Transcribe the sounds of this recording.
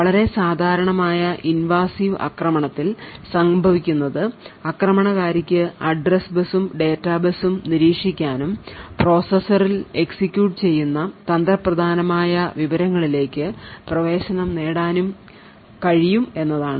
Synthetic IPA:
ɐɭɐɾe̞saːd̪ʱaːɾɐɳɐmaːjɐʔinʋaːsiːʋɐ̰krɐmɐɳɐt̪ːilsɐŋbʱɐʋikʲːunːɐðɨɐkrɐmɐɳɐɣaːɾikʲːɨɐɖrɐsbɐsumɖe̞ːtːaːbɐsumniɾiːkʂikʲːaːnumpro̞ːsɐsɐrile̞ksikʲːjuːʈːɨt͡ɕe̞jːunːɐt̪ɐnd̪ɾɐprɐd̪ʱaːnɐmaːjɐʋiʋɐɾɐŋːɐɭile̞ːkʲːɨprɐʋe̞ːɕɐnɐmne̞ːɽaːnum | kɐɻijume̞nːɐðaːɳɨ

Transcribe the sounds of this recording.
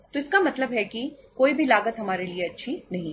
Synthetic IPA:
t̪oɪskamɐt̪ləbɦɛkikoːibʱilaːɡət̪ɦɐmaːɾelieɐtːʃʰinɐɦĩ

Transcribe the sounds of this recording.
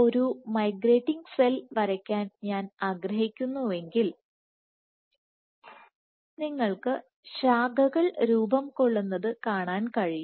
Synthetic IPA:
o̞ɾumɐjɡre̞ːʈːiŋɡselʋɐɾɐkʲːaːnɲaːnaːɡɾɐɦikʲːunːue̞ŋɡil | niŋːɐɭkɨ | ɕaːɡɐɣɐɭɾuːbɐmko̞ɭːunːɐðɨkaːɳaːnkɐɻij

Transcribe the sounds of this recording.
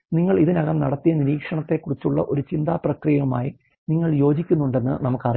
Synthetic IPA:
niŋːɐɭiðinɐɣɐmnɐɽɐt̪ːijɐniɾiːkʂɐɳɐt̪ːe̞kːurit͡ɕːuɭːɐ̰ʔo̞ɾut͡ɕind̪aːprɐkrijɐuma̰ːji | niŋːɐɭjo̞ːd͡ʑikʲːunːuɳɖe̞nːɨ̰nɐmukːɐri

